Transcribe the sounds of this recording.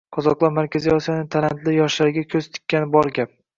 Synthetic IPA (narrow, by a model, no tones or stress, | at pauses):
qʰɒzɒqlˠɒɾmaɾkʲʰaziɒsijanɪt̪ʰalant̪lɪjɒʃlaɾɡʲakʲʰɵz̥t̪ʰɪ̥kʲːanɪbɒɾɡʲap̚